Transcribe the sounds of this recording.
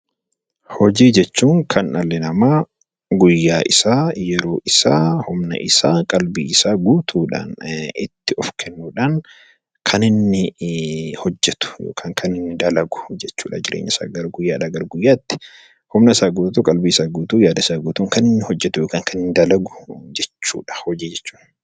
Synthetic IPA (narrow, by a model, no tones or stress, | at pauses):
hɔd͡ʒiːd͡ʒɛt͡ʃːuːŋkʰɐnɐlːɪnɐmaː | ɡʊjːaːʔɪsaːjɛɾoːʔɪsaːhʊmnɐ̰ʔɪsaːkʼɐlbiːɪsaːɡuːt̪ʰuːᶑa̰ːnɪ̰t̪ːɪɔfkʰɛnːuːᶑaːn | kʰɐnɪnːɪ | hɔd͡ʒːɛt̪ʊ̥jo̰ːkʰaːŋkʰɐnɪnːɪd̪ɐlɐɡʊ̥d͡ʒɛt͡ʃːuːᶑa̰ːd͡ʒɪɾʔḛːɲːʔɐsa̰ːɡɐɾɡʊjːaːᶑaɡɐɾɡʊjːaːt̪ːɪ̥ | hʊmnɐɪsaːɡuːtt̪uːkʼɐlbiɪsaːɡuːt̪uːjaːd̪ɐɪsaːɡuːt̪uːŋkɐnɪnːɪhɔd͡ʒːɛt̪ʊjoːkaːŋkʰɐnɪnːɪd̪ɐlɐɡʊ̥d͡ʒɛt͡ʃːṵːᶑɐ̥hɔd͡ʒiːd͡ʒɛt͡ʃːu̥ːn